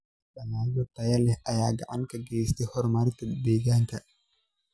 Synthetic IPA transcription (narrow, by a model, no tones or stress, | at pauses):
ɗɐŋaːd͡ʒɔt̪ɐjɐlɛhʔɐjaːɡɐ̰ʕaŋkɐɡɛjst̪ʰɛhɔɾmaːɾt̪ɐbɛːɡaːŋkʰɐ